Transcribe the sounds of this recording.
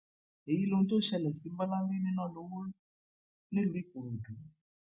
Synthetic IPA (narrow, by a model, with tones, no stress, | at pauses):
e˨ji˨˦lo˦˧nũ˦to˦˨ʃɛ˧lɛ˨si˨˦m̩˦ba˦la˦bi˦nĩ˦nã˦˨lo˧˦wo˦ | nĩ˦lũ˧˦i˦˨ko˨ɾo˨dũ˨˦